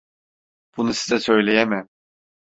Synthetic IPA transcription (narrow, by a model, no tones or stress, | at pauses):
b̥unusizɛsø̞jlʲe̞jemɪ